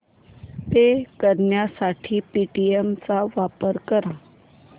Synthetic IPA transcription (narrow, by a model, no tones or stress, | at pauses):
t̪ekəɾɳjasaʈʰiːpiʈiemt͡saʋapəɾkəɾã